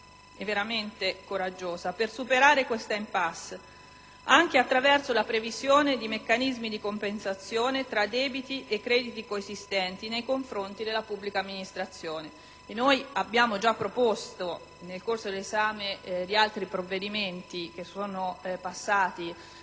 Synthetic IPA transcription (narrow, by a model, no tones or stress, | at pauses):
ɛvːeɾament̪ekoɾad͡ʒːoːzapersupeɾaːɾekwest̪aimpasː | aŋk̟eat̪ːɾavɛrsolapɾevizjoːned̪imekːanizmid̪ikompensat̪sːjoːnet̪ɾad̪ːɛːbit̪iʔekːɾɛːd̪it̪ikoezist̪ɛnt̪inejkoɱfɾont̪id̪elːapubːlikaːmːinist̪ɾat̪sːjoːne | enːojabːjaːmod͡ʒapːɾopost̪o | nelkorsod̪elezaːmed̪ialt̪ɾipɾovːed̪iment̪ik̟esoːnopasːaːt̪i